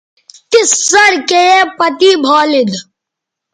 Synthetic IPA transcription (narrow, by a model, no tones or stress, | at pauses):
t̪ɪsːɐɾkeepɐt̪iːbʱoːlɪd̪